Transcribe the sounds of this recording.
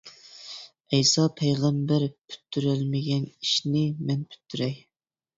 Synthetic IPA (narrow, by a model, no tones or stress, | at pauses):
ɛjsɑpʰɛjʁæmbæɾpʰy̥t̪ʰːyɾɛlmɪɡʲɛniʃnɪmɛnpʰy̥t̪ʰːyɾɛj